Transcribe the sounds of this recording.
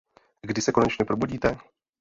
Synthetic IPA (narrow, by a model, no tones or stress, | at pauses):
ɡdɪsɛko̞nɛt͡ʃɲɛpɾobuɟiːt̪ɛ